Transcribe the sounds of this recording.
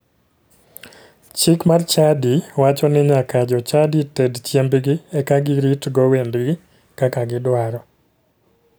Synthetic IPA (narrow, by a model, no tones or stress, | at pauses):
t͡ʃɪkmart͡ʃadiwat͡ʃɔnɪɲakad͡ʒɔt͡ʃaditɛdt͡ʃjembɡɪɛkaɡɪɾitɡɔwendɡɪ | kakaɡɪdwaɾɔ